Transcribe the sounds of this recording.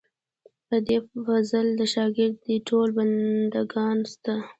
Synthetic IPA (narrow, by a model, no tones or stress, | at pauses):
pəd̪efazəld̪əʃɑɡɪɾd̪əʈʰolband̪aɡɑnst̪a